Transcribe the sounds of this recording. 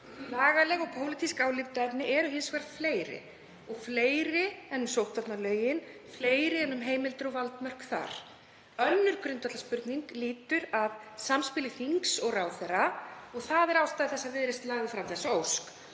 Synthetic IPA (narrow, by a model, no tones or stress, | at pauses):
laːɣalɛɣɔɣpʰowlɪt̪ʰiskaːwlɪvt̪ɛpnɪʔɛɾʏɦɪnskʰvɛɾfleːjɾɪ̰ | ɔɣfleːjɾɪɛnːʏmsowht̪vatnalœːɥjɪn | fleːjɾɪɛnːʏmɦeːjmɪlt̪ʏɾɔɣvalt̪mœr̥kθa̰ɾ̥ | œnːʏɾ̥kɾʏnt̪at̪laspʏɾt̪niŋkliːt̪ʏɾaðsamspɪlɪθiŋksɔɣraːwθɛraɔɣθaðɛɾawst̪aðθɛsːaðvɪðɾejst̪laːɣðɪfɾamθɛsːaowsk